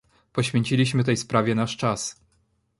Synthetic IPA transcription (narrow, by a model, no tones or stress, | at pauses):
pɔɕfʲjeɲʲt͡ɕilʲiɕmɘt̪ɛjspɾavʲɛnaʂt͡ʂas